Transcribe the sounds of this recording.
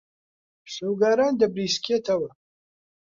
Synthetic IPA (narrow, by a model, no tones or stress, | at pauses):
ʂuːɡaːɾaːnd̪ɐbɾiːskʰet̪ʰɐwɐ